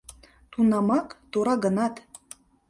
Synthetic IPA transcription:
t̪unɑmɑkt̪oɾɑɡə̆nɑt̪

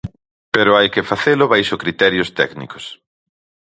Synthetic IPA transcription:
peɾʊajkɪfaθelʊβejʃʊkɾit̪ɛɾjʊst̪ɛ̰knḭko̥s

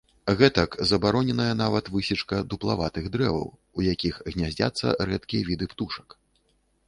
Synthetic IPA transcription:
ɣɛt̪ɐkzɐbaɾɔnʲɛnɐjɐnavɐt̪vɨsʲit͡ʂkɐd̪uplˠavat̪ɨɣd̪ɾɛvɐ̰w | ujakʲixɣnʲazʲd͡zʲa̰t̪sːɐ̰rɛt̪kʲijɛvʲid̪ɨpt̪uʂɐ̥k

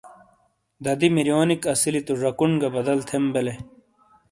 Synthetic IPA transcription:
d̪ɐd̪imiɾjoːnikɐsilit̪uʐɐkuɳɡɐbɐd̪ɐlt̪ʰembele

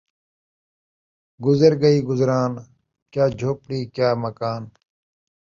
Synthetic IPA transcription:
ɡʊzəɾɡɐiːɡʊzɾaːn | kjaːd͡ʒʱoːpɽiːkjaːmɐkaːn

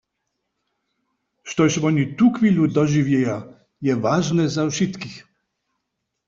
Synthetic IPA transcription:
ʂt̪ɔɕvɔnʲit̪ukfʲilud̪ɔʒivʲjɛja | jɛvaʐnɛzafʂist̪kix

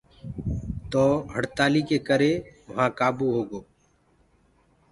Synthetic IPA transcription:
t̪oːɦəɽt̪aːliːkeːkəɾeːʋəɦãːkaːbuːɦoːɡoː

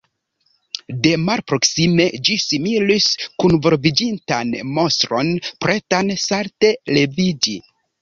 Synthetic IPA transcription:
de̞malpɾo̞ksime̞d͡ʒisimiliskunvo̞ɾvid͡ʒintanmo̞stɾo̞npɾe̞tansaɾte̞le̞vid͡ʒi

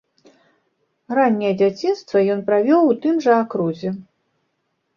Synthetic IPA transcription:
ranʲːɛjɛd͡zʲat͡sʲinst̪vɐjɔnpɾavʲɔwt̪ɨmʐɐːkɾuzʲɛ

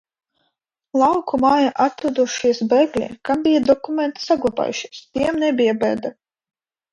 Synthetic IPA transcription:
lˠawkumaːjaʔat̪ɾud̪uʃiɛsbɛɡlʲḭkambʲijad̪ɔkumʲent̪saɡlˠaba̰ːjuʃiɛst̪ʲiɛmnɛbʲijabɛ̰ːd̪a

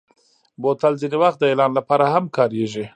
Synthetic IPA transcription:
bot̪alzinewaxt̪̚d̪əelɑnlapɑɾahamkɑɾeʒi

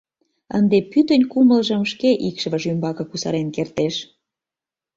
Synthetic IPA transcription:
ə̰nd̪epyt̪ənʲkumə̆lʒə̆mʃkeʔikʃβəʒymbɑkɤ̆kusɑ̰ɾenkert̪eʃ

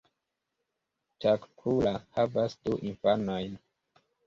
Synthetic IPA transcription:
takkʰulahavasduʔinfanojn

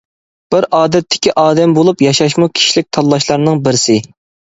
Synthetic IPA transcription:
b̥ɪɾʔɑːd̪ɛt̪ʰːɪ̥kʲiʔɑːd̪ɛmbolˠupjɑʃɑʃmukʲʰi̥ʃilɪk̚ʲt̪ʰɑlˠːɑʃlˠɑɾnɨŋbɪɾɪsɪ

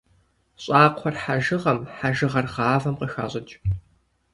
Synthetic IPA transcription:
ɕʼaːqʷʰɔrħaʒɨʁɐmħaʒɨʁɐrʁɑːvɐmqəxa̰ːɕʼɐt͡ʃʼ

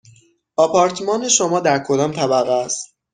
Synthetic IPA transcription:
ɒːpʰɒːɾt̪ʰmɒːneʃomɒːd̪æɾkʰo̞d̪ɒːmt̪ʰæbæɣæst̪

